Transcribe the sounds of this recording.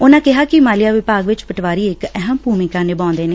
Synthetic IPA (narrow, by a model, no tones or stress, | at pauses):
ʊnãːkɪɦaːkɪmaːlɪjaːʋɪpaːɡʋɪt͡ʃpəʈʋaːɾiːɪkɛɦəmpuːmikãːneːbãːnd̪eːneː